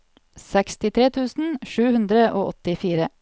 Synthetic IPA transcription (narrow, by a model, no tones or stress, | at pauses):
sɛkst̪ɪt̪ʰɾeːt̪ʰʉːsn̩ʃʉːhʉnd̪ɾəʔoːʔɔt̪ɪfiːɾə